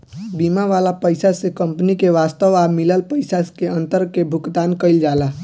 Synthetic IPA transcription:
bimaʋalapəɪsasẽkəmpnikeʋast̪əʋamiləlpəɪsakeənt̪əɾkebʱukt̪ankəɪld͡ʒala

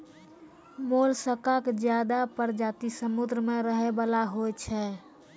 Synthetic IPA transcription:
molsəkakd͡ʒjad̪apəɾd͡ʒat̪isəmud̪ɾəmeɾəɦebalaɦojt͡ʃʰɛ

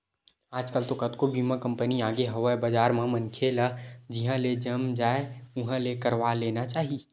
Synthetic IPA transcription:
aːd͡ʒkəlt̪okət̪kobiːmãkə̃mpəniaːɡeɦəʋəbəd͡ʒaːɾmãmənkʰelad͡ʒɪɦãled͡ʒəmd͡ʒaːeʊɦãlekəɾʋaleːnat͡ʃaːɦi

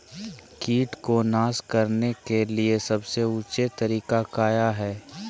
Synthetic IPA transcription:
kiːʈkonaːskɐɾnekeliesɐbseuːt͡ʃet̪ɐɾiːkakaːjaɦɛː

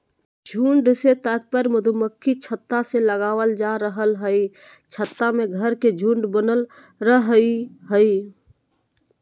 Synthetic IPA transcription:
d͡ʒʱuːɳɖset̪ək̪̚pəɾməd̪ʱuməkʰːit͡ʃʰət̪ːaseləɡaːʋəld͡ʒaɾəɦəlɦəit͡ʃʰət̪ːamẽɡʱəɾked͡ʒʱũɳɖbənəl | ɾəɦiɦəi

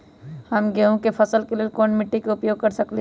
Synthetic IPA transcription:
hɐmɡeɦũkepʰɐsəlkelelkoːnmɪʈːikaʊpjoːɡ̚kɐɾsɐkle

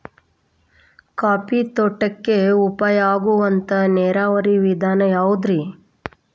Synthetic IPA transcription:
kaːpit̪ɔʈːɐkːeupɐjaːɡuʋɐnt̪ɐneːɾaːʋɐɾiʋid̪ʱaːnɐjaːʋud̪ɾi

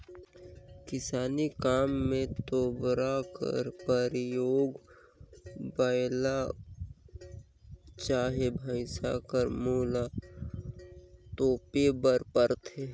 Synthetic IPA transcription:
kɪsaːnikaːmːẽt̪oːbɾakə̰ɾpəɾjoːɡ | bəjla | t͡ʃaːɦebʱəɪsa̰kəɾmoːla | t̪oːpebəɾpəɾt̪eː

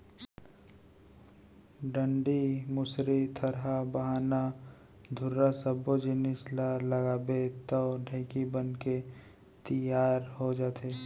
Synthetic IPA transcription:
ɖə̃ɳɖimʊsɾit̪ʰɐɾɦabəɦaːna | d̪ʱʊɾːasəbod͡ʒɪnɪslaɾlɐɡaːbet̪ɔːɖʱẽːkibənke | t̪əjaːɾɦod͡ʒaːt̪eː

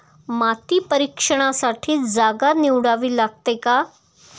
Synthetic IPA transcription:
mat̪iːpəɾikʂəɽ̃asaʈʰiːd͡zaɡaniwɽaʋiːlaɡ̚t̪eka

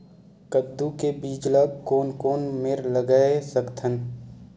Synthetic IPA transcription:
kəd̪ːukebiːd͡ʒləɡkoːnkoːnmeɾləɡəsəkt̪ʰən

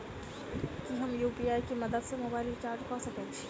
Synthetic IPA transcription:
kiɦɐmjuːpiaːikimɐd̪əd̪semoːbaːɪlit͡ʃaːɾʈkɔːsɐkət͡ʃʰi̥

